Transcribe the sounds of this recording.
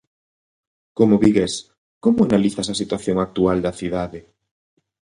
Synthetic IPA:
komoβiɣes | komʊanaliθasɐsit̪waθjoŋak̚t̪uald̪ɐθiðaðe

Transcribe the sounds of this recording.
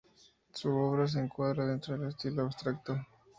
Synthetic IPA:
suoβɾas̬eːŋkwaðɾað̞ent̪ɾoðele̞st̪iloaβst̪ɾak̚t̪o

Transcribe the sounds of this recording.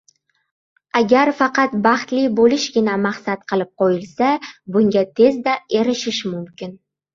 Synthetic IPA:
aɡʲaɾfɑqɑt̪bɑχt̪lɪbolɪʃɡʲɪnamaχsat̪qʰɨlˠɪp̚qʰojɪlsabʊŋɡʲat̪ʰe̞zd̪ae̞ɾɪʃɪʃmʊmkʲɪn

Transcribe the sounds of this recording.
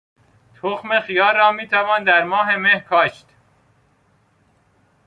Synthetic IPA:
t̪ʰoxmexijɒːɾːɒːmiːt̪ʰævɒːnd̪æɾmɒːɦe̞mehkʰɒːʃt̪

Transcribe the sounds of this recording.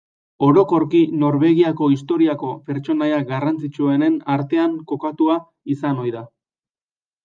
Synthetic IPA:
o̞ɾo̞ko̞ɾkino̞ɾβe̞ɣiako̞ist̪o̞ɾiako̞pe̞ɾt͡ʃo̞najaɡarant͡sit͡ʃue̞ne̞naɾt̪e̞aŋko̞kat̪ua | isano̞jða

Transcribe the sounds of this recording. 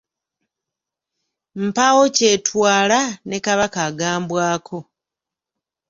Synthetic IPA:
m̩pawo̞ce̞ːtʰwaːlane̞kaβakaɡaːmbwaːkʰo̞

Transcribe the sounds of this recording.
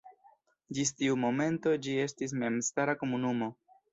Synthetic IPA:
d͡ʒistiumo̞me̞nto̞d͡ʒie̞stis̬me̞mstaɾako̞munumo̞

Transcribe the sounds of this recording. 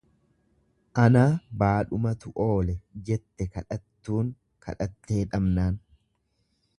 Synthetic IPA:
ʔɐnaːbaːᶑʊmɐt̪ʊʔo̞ːlɛd͡ʒɛt̪ːɛkɐᶑɐt̪ːuːŋ | kʰɐ̰ᶑɐt̪ːe̞ːᶑɐmnaːn

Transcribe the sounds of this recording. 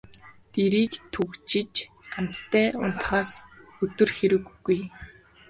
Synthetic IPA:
t̪eɾiːkt̪ʰɵkt͡ɕɪ̆t͡ɕ | am̥t̪ːʰæːʊ̰n̥t̪χaːsɵt̪ɵ̆rxeɾɘ̆ɣːuj

